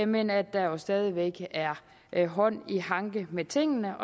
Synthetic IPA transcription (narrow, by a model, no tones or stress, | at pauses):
me̝̰ːnɐæd̥ːɑ̈josd̥ɛːð̞ˠiʋeɡ̥æɐ | ɦɒ̽n̰ihɑ̈ŋɡ̥əmet͡sʰe̝ŋ̰ənəʔɒ̽